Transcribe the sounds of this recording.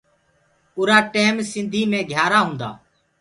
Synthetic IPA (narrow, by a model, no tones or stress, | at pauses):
ʊːɾaːʈeːmsɪ̃nd̪ʱiːmẽːɡʱjaːɾaːɦʊ̃ːnd̪a̰ː